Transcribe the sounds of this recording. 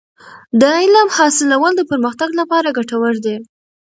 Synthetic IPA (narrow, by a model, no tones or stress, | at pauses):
d̪əɪlɑmhɑsɪlawəld̪əpəɾməxt̪aɡlapɑɾaɡaʈawəɾd̪e